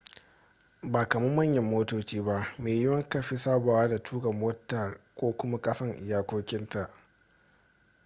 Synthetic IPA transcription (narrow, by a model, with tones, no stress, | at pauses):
baː˨kɐ˨mɐ˦mːɐ˦ɲjɐ˨mːoː˦toː˦t͡ʃiː˦ba˦ʔmeː˨jɪ˦wɐ˦ŋkɐ˦˨ɸi˦saː˦ba˨waː˦da˨tʰuː˦ɡɐ˨moː˦tːɐ˨rkʷoː˦kʷʊ˦ma˦kʼɐ˦sɐ˦ŋʔɪ˨jaː˦kʷoː˦kʲɪ˦nta˨ʔ